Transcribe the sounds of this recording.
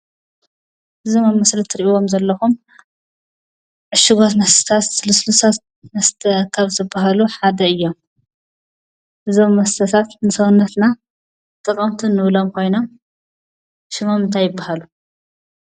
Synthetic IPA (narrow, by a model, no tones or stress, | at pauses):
ʔɨzomamːɐslɐt̪ʰɨɾʔiwo̞mzɐlːɐxum | ʕɨʃɨɡot̪mɐsɨ̥t̪ʰat̪sɨlɨslusat̪ | mɐst̪ʰɐkʰaβzɨbːaɦaluħad̪ɐɨjːo̞m | ʔɨzo̞mːɐst̪ʰɐsʰat̪nɨsɐwunːɐt̪na | t̪ʼɐkʼɐmt̪ʰinːɨβlomkʰo̞jno̞m | ʃɪmomɨnt̪ʰajːɪbːahalu